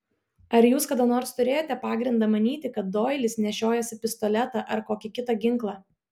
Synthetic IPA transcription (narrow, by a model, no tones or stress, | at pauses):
ɐɾjuːskɐd̪ɐnoːɾst̪ʊɾʲeːjoːt̪ʲɛpɑːɡɾʲɪnd̪ɑːmɐnʲiːt̪ʲɪkɐt̪̚d̪oːjlʲɪsnʲɛʃʲoːjɛsʲɪpʲɪst̪ɔlʲɛt̪ɑʔɐɾkoːkʲɪkʲɪt̪ɑɡʲɪŋˑklˠɑː